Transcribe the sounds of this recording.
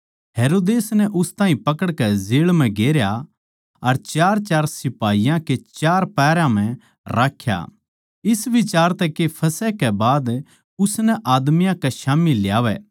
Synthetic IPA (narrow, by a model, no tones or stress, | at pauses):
ɦeːɾoːd̪eːsnɛʔʊst̪aːĩpɐkəɽkɛzeːɭmɛ̃ɡeːɾja | ɐɾt͡ʃaːɾt͡ʃaːɾsɪpaːijãket͡ʃaːɾpɛːɾãm̤ɛ̃ | ɾaːkʰːja̰ | ɪsʋɪt͡ʃaːɾt̪ɛkepʰɐsɛkɛbaːd̪ | ʊsnɛʔaːd̪mɪjãkɛʃaːmilːjaːʋɛ̰ː